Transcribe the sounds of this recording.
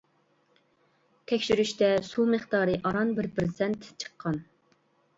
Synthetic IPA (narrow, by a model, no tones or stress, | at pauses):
t̪ʰɛkʲʃyɾyʃt̪ɛsumɨχt̪ɑːɾɨʔɑɾɑnbɪɾpɾsɛnt̪t͡ʃʰə̥qʰːɑn